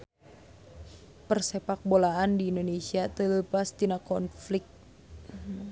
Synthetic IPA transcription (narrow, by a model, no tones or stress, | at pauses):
pərsɛpak̚bolaandiːndonesiat̪ələpast̪inakɔnflɪk̚t̪̚